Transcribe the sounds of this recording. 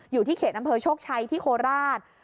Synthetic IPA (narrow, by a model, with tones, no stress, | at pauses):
juː˨˩iː˥˩kʰeː˨˩ʔa˧mpʰɤː˧t͡ɕʰoː˥˩k̚t͡ɕʰa˧jt̪ʰiː˥˩kʰoː˧ɾaː˥˩t̪̚